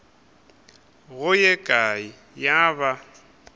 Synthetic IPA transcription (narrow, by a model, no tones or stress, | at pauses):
ɣʊjɛɡʼai | jaβa